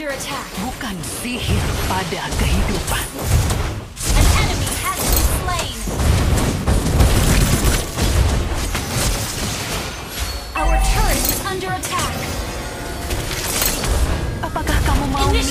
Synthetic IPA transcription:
ə˞ɨtʰækbukansihispadakəhidupan | ɨ̃nɛnɨmiæzɪpʰlẽɪ | ʔaʊə˞t͡ʃʰɜ˞szʌ̃ndə˞ɨtʰæk | ʔapakahkaməmaw

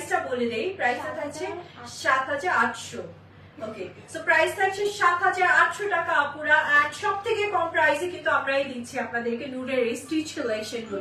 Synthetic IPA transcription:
sʈaboled̪ejpɾajsʈat̪ʰak̚t͡ɕʰeʃat̪ɦad͡ʑaɾaʈʃo | oke | sopɾajzt̪ʰak̚t͡ɕʰeʃat̪ɦad͡ʑaɾaʈʃoʈakaapuɾaʔakʃɔb̚t̪ʰekekɔmpɾajzekint̪uamɾaejd̪iːt͡ɕʰiapnad̪eɾkenuɾeɾejsʈit͡ɕkilekʃenko

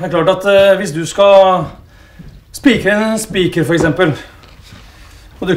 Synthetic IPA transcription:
d̪æɾkʰlɑːʈɑt̪ʋɪsd̪ʉskɑ | spiːkəɛnspiːkəɾfɔɾɛksɛmpəl | ɔd̪ʉ

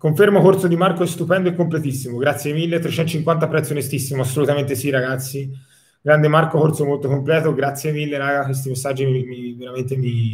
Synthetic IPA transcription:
koɱfermokort̪sod̪imarkoɛst̪upɛnd̪oekːomplet̪isːimoɡɾat̪sjemilːet̪ɾet͡ʃɛnt̪ːot͡ʃiŋkwant̪apɾɛt̪sionest̪isːimoasːolut̪ament̪esiraɡat̪sːi | ɡɾand̪emarkokort̪somolt̪okomplɛːt̪oɡɾat̪sːjemilːeɾaɡakwes̬t̪imesːad͡ʒːiimiveɾament̪emi

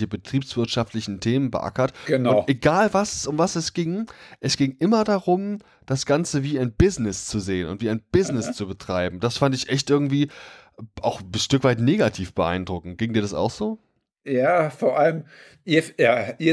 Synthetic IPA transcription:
çəbətʁ̥iːpsv̥ɪɐtʃaftlɪçn̩tʰeːmənbəʔa̰kɐtɡ̥ənʊnʊʔeɡaːlvassʔʊmvasɛsɡ̥ɪŋʔɛsɡ̥ɪŋʔɪmɐdaʁʊm | d̥asɡ̥ant͡səviːaɪnbɪznɪst͡suzeːənʊ̰ntv̥iːaɪnb̥ɪznɪst͡subətʁ̥aɪbm̩d̥asfandtɪçʔɛçtʔɪɐɡŋ̩tv̥iː | ʔaʊxʃtʏkv̥aɪtneːɡatʰiːfb̥əʔa̰ɪndʁʊkŋ̩t̚ɡ̥ɪŋdiːɐɾasa̰ʊxz̥oː | jaːfoːɐʔaləm | ʔiːɐjaːʔi

